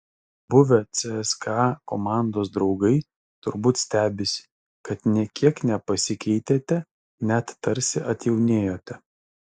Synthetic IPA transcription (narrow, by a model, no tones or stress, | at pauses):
bʊʋʲɛt̪sʲɛɛskɑːkomɑˑnd̪oːs̬d̪ɾɒʊɡɐɪ | t̪ʊɾbuːt̪sʲt̪ʲæːbʲɪsʲɪ̥ | kɐt̪nʲiɛkʲiɛknʲɛpɐsʲɪkʲɛɪt̪ʲeːt̪ʲɛ | nʲɛt̪ːɐɾʲsʲɪʔɐt̪ʲjɛʊnʲeːjoːt̪ʲɛ